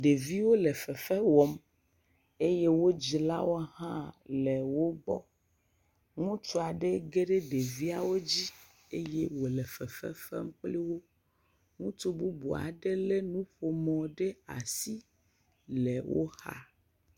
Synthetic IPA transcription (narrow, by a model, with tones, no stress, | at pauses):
ɖe˨vi˦wo˦le˨fɛ˨fɛ˦wɔ˨m | e˦je˦wo˦d͡ʑi˦la̰˦wo˦hã˦le˨wo˦ɡ͡bɔ̰˦ | ŋũ˦t͡ʃu˦a˨ɖe˦ɡe˦ɖe˦ɖe˨vi˦a˨wo˦d͡ʑi˦ | e˦je˦wo˨le˨fɛ˨fɛ̰˦fɛ̰˦m̩˦k͡pli˦wo˦ | ŋũ˦t͡ʃu˦bu˦bu˨a̰˨ɖe˦le˦nũ˦ɸo˨mɔ̃˨ɖe˦a̰˨si˦ | le˨wʔo̰˦ha̰˦